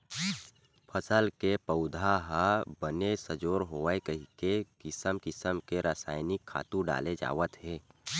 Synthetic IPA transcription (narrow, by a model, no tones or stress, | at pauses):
pʰəsəlkepəʊd̪ʱaɦəbənesəd͡ʒoːɾɦoːʋəekəɦikekɪsəmkɪsəmkeɾaːsa̰ːɪnɪkʰːa̰ːt̪ũɖa̰ːled͡ʒa̰ːʋət̪ɦeː